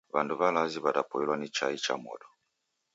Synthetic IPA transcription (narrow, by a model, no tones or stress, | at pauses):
βanduβalaziβatapɔilwanit͡ʃait͡ʃa̰mɔ̰dɔ